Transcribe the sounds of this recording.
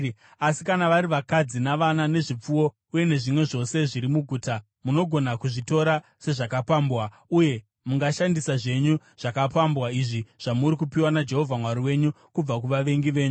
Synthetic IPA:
asikanaʋaɾiʋakad͡zinaʋanane̞ʐip͡fuwo̞ | uje̞ne̞ʐimwe̞ʐo̞se̞ʐiɾimuɡʱuːta | muno̞ɡʱo̞nakuʐito̞ɾa | se̞ʐakapaːmbwa | uje̞ | muŋɡaʃandisaʐe̞ɲu | ʐ̥akapambwaiʐiʐ̥amuɾikupiwanad͡ʒe̞ɦo̞vʱamwaɾiwe̞ɲu | kub͡vak̬uʋaʋe̞ŋɡiʋe̞ːɲu

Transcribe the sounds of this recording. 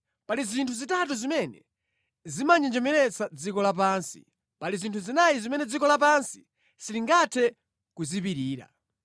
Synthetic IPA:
palizintʰuzitat̬uzimɛnɛ | zimand͡ʒɛnd͡ʒɛmɛɾɛt͡sad͡zikɔlap̬ansḭ | palizintʰuzinajizimɛnɛd͡zikɔlap̬ansi̥ | siliŋɡatʰɛ | kuzipiɾiːɾa̰

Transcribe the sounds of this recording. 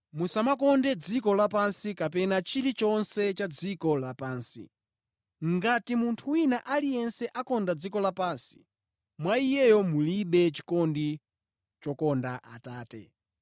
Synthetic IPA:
musamakɔndɛd͡zikɔlapansikapɛnat͡ʃiɾit͡ʃɔnsɛt͡ʃad͡zikɔlapaːnsḭ | ŋɡatimuntʰuwinaʔalijɛnsɛʔakɔndad͡zikɔlapaːnsi̥ | mwaijɛjɔmuliɓɛt͡ʃi̥kɔndi | t͡ʃɔkɔndaʔataːtɛ̰

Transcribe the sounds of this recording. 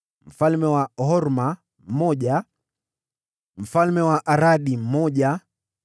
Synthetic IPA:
m̩falmɛwaɦɔɾma | m̩mɔʄa | m̩falmɛwaʔaɾaɗim̩mɔʄa

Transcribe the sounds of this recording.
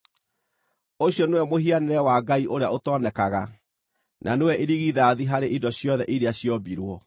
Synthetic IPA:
oɕjɔnewɛmoɦianeɾɛwaɡaiʔoɾeaotɔnɛkaɣa | nʔanewɛʔeɾiɣiðaːðiɦaɾeʔidɔɕjɔðɛʔiɾeaɕjɔbiɾwɔ

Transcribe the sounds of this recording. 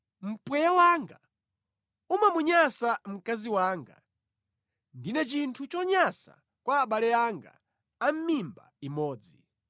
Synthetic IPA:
m̩pwɛjawaːŋɡa | umamuɲasam̩kaziwaːŋɡa̰ | ndinɛt͡ʃintʰut͡ʃɔɲasa̰ | kwaːɓalɛaŋɡa̰ | am̩mimba̰imɔːd͡zi

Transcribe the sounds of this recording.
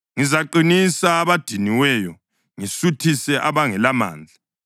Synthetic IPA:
ŋizaǃinisaːβad̥ʱiniwɛjɔ | ŋisutʰisɛʔaβaŋɛlama̰ːnd͡ɮʱa

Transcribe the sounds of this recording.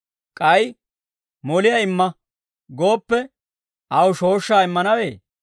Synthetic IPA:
kʼɐj | mɔlɪjɐɪmːɐ | ɡo̞ːpːɛ | ʔɐwʃo̞ːʃːaːɪmːɐnɐweː

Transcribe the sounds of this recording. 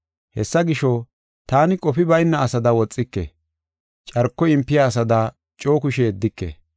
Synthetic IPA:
hɛsːɐɡɪʃɔ | t̪aːnɪkʼɔpɪbɐjnːɐːsɐd̪ɐwɔt͡sʼːɪkːḛ | t͡ʃʼɐɾkːɔɪmpːɪjaːs̬ɐd̪ɐ | t͡ʃʼoːkʊʃeːd̪ːɪkːḛː

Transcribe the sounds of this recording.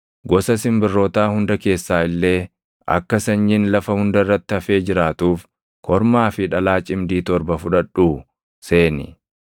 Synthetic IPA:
ɡɔsɐsɪmbɪrːoːt̪aːhʊnd̪ɐke̞ːsːaːɪlːe̞ː | ɐ̰kːɐsɐɲːɪnlɐfɐhʊnd̪ɐrːɐt̪ːɪɐfe̞ːd͡ʒɪɾaːt̪uːf | kʰɔɾmaːfɪᶑɐlaːt͡ʃʼɪmd̪iːt̪ɔɾbɐfʊᶑɐᶑuː | se̞ːnɪ̰

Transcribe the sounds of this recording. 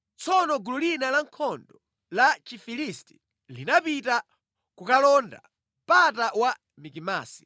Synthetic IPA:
t͡sʰɔnɔɡululinalaŋkʰɔndɔ | lat͡ʃifilisti̥ | linapita | kukalɔnda̰ | mpatawa | mikima̰ːsi̥

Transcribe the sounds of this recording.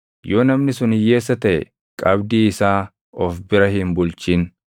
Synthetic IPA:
jo̞ːnɐmnɪsʊnɪje̞ːs̬ːɐt̪ɐʔɛ̰ | kʼɐbd̪iːɪsaː | ɔfbɪɾɐhɪnbʊlt͡ʃiːn

